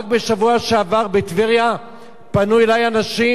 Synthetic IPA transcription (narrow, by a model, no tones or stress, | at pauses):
k̚beʃavuaʃeavaʁbet̪viʁja | panuelajanaʃi